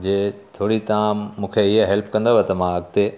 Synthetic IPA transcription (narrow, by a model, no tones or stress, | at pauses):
d͡ʑeːt̪ʰoːɽit̪ɐãːũːkʰeɪɦəɦɛlpʰkɐ̃nd̪oʋet̪ɐmãɐɡt̪e